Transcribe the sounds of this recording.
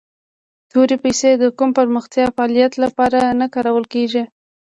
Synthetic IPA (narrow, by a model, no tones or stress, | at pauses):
t̪oɾepajsed̪əkumpəɾməxt̪jɑfalijat̪lapɑɾanakɑɾawəlkeʒi